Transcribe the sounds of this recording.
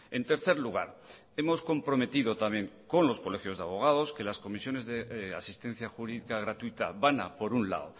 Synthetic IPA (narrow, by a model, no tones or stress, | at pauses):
e̞nt̪e̞ɾθe̞ɾluɣ̞a̰ɾ | e̞mo̞sko̞mpɾo̞me̞t̪iðo̞t̪amje̞ŋko̞nlo̞sko̞le̞xjo̞zðeaβ̞o̞ɣ̞aðo̞ske̞lasko̞misjo̞ne̞zðea̰sist̪e̞n̟θjaxuɾiðikaɣ̞ɾat̪uit̪aβana̰po̞ɾunla̰ðo